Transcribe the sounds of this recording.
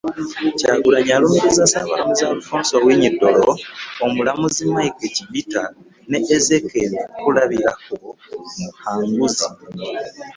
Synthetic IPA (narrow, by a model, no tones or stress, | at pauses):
caɡuɾaɲalumiɾizasaβa̰lamuzaːlufoːnsowiɲidːo̞loomulamuzimaikweciβita | neʔːzekekulaβiɾako | muhaːŋɡuzi